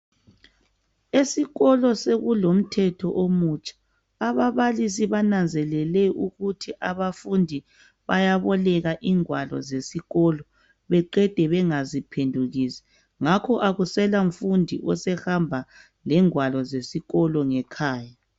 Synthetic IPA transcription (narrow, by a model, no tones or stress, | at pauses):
esiɣɔlɔseɣulom̩tʰɛtʰɔ̰ʔomut͡ʃʼḁː | βaβalis̬iβanand͡zʱɛlɛlɛuɣutʰiʔaβafundʱi | βajaβɔlɛɣaʔiːŋwalɔ̰zesiɣɔlɔ | βɛǃɛd̥ʱɛβɛŋazipʰendʱuɣiːsɛ̥ | ŋakʰɔʔaɣusɛlaɱ̩fundʱḭʔɔsɛhambʱa | lɛŋwalɔzesiɣɔlɔŋɛkʰaːja